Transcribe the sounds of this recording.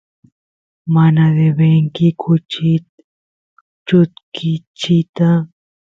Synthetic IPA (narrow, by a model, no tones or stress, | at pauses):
manad̪ebeŋkikʰut͡ʃi | t͡ʃut̪kit͡ʃit̪a